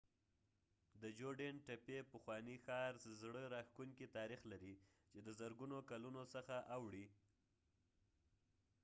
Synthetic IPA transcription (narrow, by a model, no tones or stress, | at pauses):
d̪əd͡ʒoɖenʈapepəxwɑnixɑɾzɽəɾɑxkuŋkit̪ɑɾixlaɾi | t͡ʃed̪əzəɾɡunokalunosəxaʔawɽi